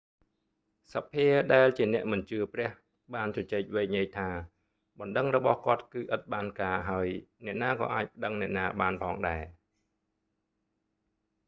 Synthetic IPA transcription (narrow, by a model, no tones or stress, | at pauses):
sapʰːiəɗaɛlt͡ɕiənɛ̆əʔmɨnt͡ɕɨəprɛ̆əh | ɓaːnt͡ɕɑt͡ɕɛːc̚ʋeːk̚ɲiəjt̪ʰaː | ɓɑnɗəŋrɔɓɑhkŏət̪̚kɨːʔət̪̚ɓaːnkaːɦaəjnɛ̆əʔnaːkɑ̰ːʔaːc̚pə̆ɗəŋnɛ̆əʔnaːɓaːnpʰɑːŋɗaɛ